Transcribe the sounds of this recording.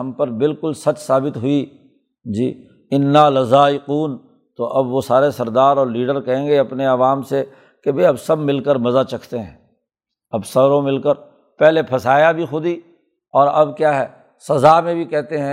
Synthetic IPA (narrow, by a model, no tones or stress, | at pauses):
ɐ̃mpɐɾbɪlkʊlsɐt͡ʃsaːbɪt̪ɦʊi | d͡ʒiː | ɪnːaːlɐzaːɪquːn | t̪oʔɐbʋosaːɾesɐɾd̪aːɾɔːɾliːɖəɾkɐɦẽːŋɡeɐpneɐʋaːmse | kebʱɐiɐbsɐbmɪlkəɾmɐzat͡ʃɐkʰt̪eɦɛ̰̃ː | ɐbsɐɾõmɪlkəɾ | pɛɦlepʰɐsaːjabʱixʊd̪i | ɔːɾɐbkjaːɦɛː | sɐzamẽbʱikɛɦt̪eɦɛ̃